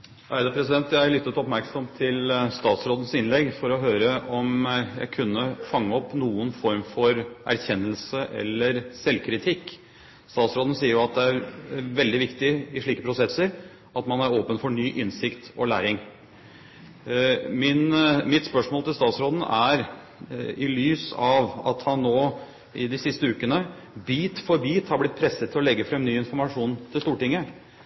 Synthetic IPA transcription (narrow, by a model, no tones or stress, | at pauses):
ʔæɪd̪əpʰɾɛsɪd̪ɛnt̪jææɭʏt̪ːət̪ɔpmæɾksɔmt̪ʰɪlst̪ɑːt̪sɾoːd̪ən̩sɪnlɛɡfɔɾɔɦøːɾəʔɔmjæ̰ɪkʰʉnːəfɑŋːəɔpːnuːənfɔɾmfɔɾʔæ̰ɾçɛnːəlsəʔɛ̰lːəɾsɛlkʰɾɪt̪ʰɪkː | st̪ɑːt̪sɾoːd̪n̩siːəɾjʊɑt̪̚d̪ɛæɾʋɛld̪ɪʋɪkt̪ɪɪʂɭiːkəpʰɾʊsɛsːəɾ | ʔɑt̪mɑnæɾoːpənfɔɳyːʔɪnsɪkt̪ɔlæ̰ːɾɪŋ | mɪnmɪt̪spœʂmoːlt̪ʰɪlst̪ɑːt̪sɾoːd̪n̩æɾ | ɪlyːsɑʋɑ̰t̪hɑnːoː | ɪd̪ɪsɪst̪əʉːkənə | biːt̪fɔɾbiːt̪hɑɾblɪt̪̚pʰɾɛsət̪ʰɪlɔlɛɡːəfɾɛmnyːɪnfɔɾmɑʂuːnt̪ʰɪlst̪uːʈɪŋːə